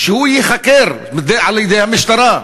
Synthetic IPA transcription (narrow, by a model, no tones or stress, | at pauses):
ʃehujiχakeɾ | md̪eʕaljed̪ejhamiʃt̪aɾa